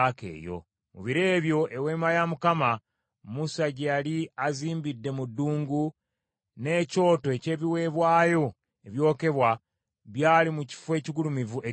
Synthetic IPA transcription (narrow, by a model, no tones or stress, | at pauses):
kḛːjo̞̰ | mṵβiɾe̞ːβjo̞ʔe̞we̞ːmajamukama | musaɟjaliaziːmbidːe̞mudːuːŋɡu | ne̞ːco̞ːtoe̞ce̞ːβiwe̞ːβwaːjo̞ | eβjo̞ːke̞βwa | βjaːlimuci̥fwe̞ːciɡulumivuʔe